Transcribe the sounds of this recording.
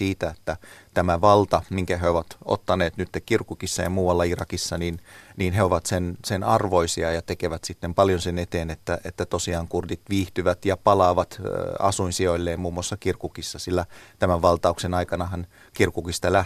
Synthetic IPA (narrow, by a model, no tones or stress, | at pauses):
iːt̪æet̪ːæt̪æmæʋɑlt̪ɑmiŋkæɦeoʋɑt̪o̰t̪ːɑneːt̪nyt̪ːekkirkukisːɑjɑ̰muːwɑlːɑirɑkisːɑniːnniːnɦeoʋɑt̪sensenɑrʋoisiɑjɑt̪ekeʋæt̪sit̪ːempɑljonsenet̪eːnet̪ːæʔet̪ːæt̪osiɑːŋkurd̪it̪ʋiːht̪yʋæt̪jɑpɑlɑːʋɑt̪ɑ̰suinsioilːeːmmuːmːuɑsːɑkirkukisːɑsilːæt̪æmæʋʋɑlt̪ɑuksenɑikɑnɑɦɑn | kirkukist̪ɑlæ